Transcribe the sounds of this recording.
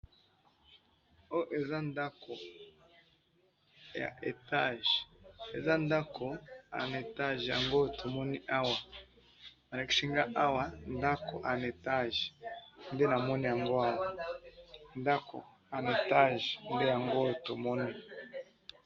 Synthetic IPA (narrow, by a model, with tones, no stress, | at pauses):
o˦ʔe˨za˦nda˦ko˨ | ja̰˨ʔe˨ta˦˨ʒe˨za˦nda˦kʰo˨a̰˨n˨e˨ta˦ʒja̰˨ŋɡo˦˨to˨mo˦ni˦ʔa˦wa˨ | ma˨ɾa˨kʃi˦ŋɡa˦ʔa˦wa˨nda˦kʰo˨ʔa˨n˨e˨ta˦ʒnde˦na˨mo˦ni˦ja˨ŋɡo˦a˦wa˨ | nda˦ko̰˨ | a˨n˨e˨ta˦˨ʒnde˦ja˨ŋɡo˦˨to˨mɔ˦ni˦